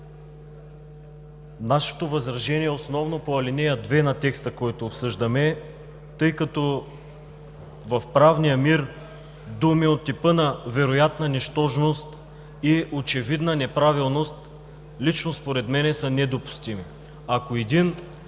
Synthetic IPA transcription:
naʃɛ̥t̪ovɐzɾɐʒɛniɛosnɔvnopoɐlinɛjəd̪vɛnɐt̪ɛkst̪əkɔjt̪oːpsɤʒd̪ɐmɛ | t̪ɤjkɐt̪ɔ | vɐfpɾavnijəmiɾ | d̪umiot̪ːipɤnɐvɛɾojat̪nɐnɛʃt̪ɔʒnost̪ | iʔot͡ʃɛvid̪nənɛpɾavilˠnost̪ | lit͡ʃnospoɾɛt̪mɛnɛsənɛd̪opʊ̥st̪imi | akoɛd̪in

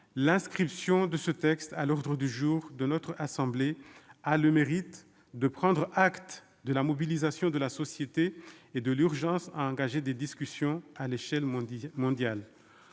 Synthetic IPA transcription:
lɛ̃skχipsjɔ̃d̪əsət̪ɛkst̪alɔʁd̪ʁəd̪yʒuːʁd̪ənɔt̪χasɑ̃blealəmeʁit̪ | d̪əpχɑ̃d̪ʁʔakt̪ | d̪əlamɔbilizasjɔ̃d̪əlasɔsjet̪eːd̪əlyʁʒɑ̃sa̰ɑ̃ɡaʒed̪ed̪iskʲysjɔ̃aleʃɛlmɔ̃d̪jal

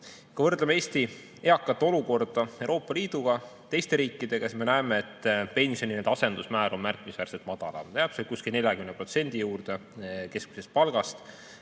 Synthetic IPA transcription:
kɑvɤrd̪lemeeːst̪i | eɑkːˑɑt̪ːˑeo̞luko̞rd̪̥ɑewɾo̞ːpˑːɑliːd̪̥uɡ̥ɑt̪e̞jst̪e̞ɾiːkːˑid̪̥e̞kesme̞næemeet̪ːˑpe̞nʲsio̞nined̪ɑse̞nd̪̥usmæːɾʔo̞nmærkˑmisværɾset̪mɑd̪̥ɑlɑ̰t̪eɑpselkuskilʲne̞lʲjɑkymnepro̞t̪se̞nʲd̪̥ijuːrd̪̥e̞ke̞skmi̥sest̪̚pɑlɡ̥ɑst̪

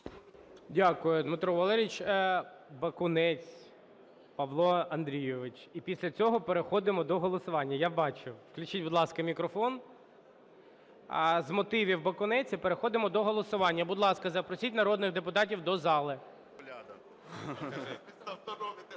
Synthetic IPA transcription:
dʲakʊjʊd̪mɪt̪ɾɔʋɐlˠɛɾʲit͡ʃ | bɐkʊnɛt͡sʲ | pɐʋlˠɔɐnd̪ɾʲijɔʋɪt͡ʃipʲisʲlʲɐt͡sʲɔɦɔpeɾexɔd̪ɪmɔd̪ɔɦɔlˠɔsʊʋɑnʲːɐjabɑt͡ʃʊwklʲʊt͡ʃitʲbʊd̪lˠɑskɐmʲikɾɔfɔn | zmɔt̪ɪʋʲiwbɐkʊnɛt͡sʲipeɾexɔd̪ɪmɔd̪ɔɦɔlˠɔsʊʋɑnʲːɐbʊd̪lˠɑskɐzɐpɾɔsʲitʲnɐɾɔd̪nɪɣd̪epʊt̪ɑtʲiwd̪ɔzɑlˠɪ

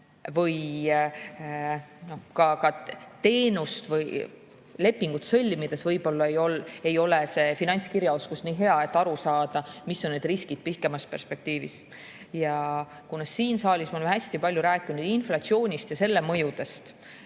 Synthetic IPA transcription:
vɤj | no̞hkɑkɑt̪e̞ːnust̪vɯj | le̞pːiŋɡ̥ut̪sɤ̞lʲːmid̪̥e̞svɤjb̥o̞lːɑejo̞lejo̞lese̞finɑnʲt̪skiɾjɑo̞skusniːɦe̞ɑe̞t̪ːɑɾusɑːd̪̥ɑmisːo̞nːed̪riskid̪̥̚pihke̞mɑspe̞rspe̞k̚t̪iːvḭs | jɑ | kunɑsiːnsɑːlʲismɑolemɦæsʲt̪ipɑlʲjuɾæːkːinud̪̥inflɑt̪sio̞ːnʲist̪jɑse̞lːemɤjud̪̥e̞st̪

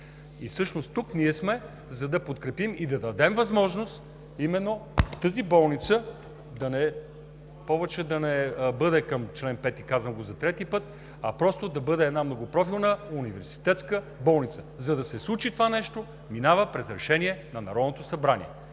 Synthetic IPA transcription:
isɤʃnost̪ukniɛsmɛ | zɐd̪ɐpot̪kɾɛpimid̪ɐd̪ɐd̪ɛmvɐzmɔʒnost̪ | imɛnːot̪əzibɔlˠnit̪sə | d̪ɐnɛ | pɔvɛt͡ʃɛd̪ɐnɛbɤd̪ɛkəmt͡ʃlɛnpɛt̪ikazvəmɡozɐt̪ɾɛt̪ipɤt̪̚ | ɐpɾɔst̪od̪ɐbɤd̪ɛːd̪namnoɡopɾɔfilˠnəunivɛɾsi̥t̪ɛt̪skə | bɔlˠnit̪səzɐd̪ɐsɛslˠut͡ʃit̪ovanɛʃt̪o | minavəpɾɛzɾɛʃɛniɛnɐnɐɾɔd̪not̪osɐbɾanʲḭɛ

